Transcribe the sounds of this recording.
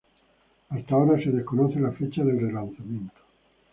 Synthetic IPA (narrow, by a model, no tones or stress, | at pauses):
ast̪aoɾaseðeskonoθelafet͡ʃaðelrelanθamjẽnt̪o̥